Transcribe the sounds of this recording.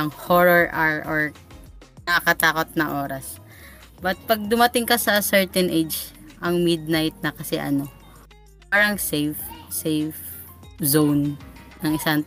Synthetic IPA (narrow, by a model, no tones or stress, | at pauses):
ɐŋhoɹɔɹʔaɹʔoɹ | nɐɐkɐt̪aːkot̪̚nɐŋʔoːɾɐs | bɐt̪̚pɐɡ̚d̪ʊmɐt̪ɪŋkɐsɐsɛɹt̪ɛnʔed͡ʒʔɐŋmɪd̪̚najt̪̚nɐkɐsɛ̰ʔɐ̰no̞ | paːɾɐŋsejfsejf | zownːɐŋɪsaŋ